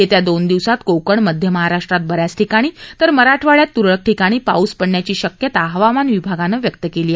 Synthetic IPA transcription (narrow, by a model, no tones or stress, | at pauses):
et̪jad̪ond̪iʋsat̪kowkəɳməd̪ʱjəməɦaɾaʂʈɾat̪̚bəɾjasʈʰikaɽ̃iːt̪əɾməɾaʈʰʋaɭjat̪ːuɾɭək̚ʈʰikaɽ̃iːpa̰uspəɽɳjat͡ɕiːɕəkjət̪aɦʋamanʋibʱaɡanəːʋjəkt̪əkeliː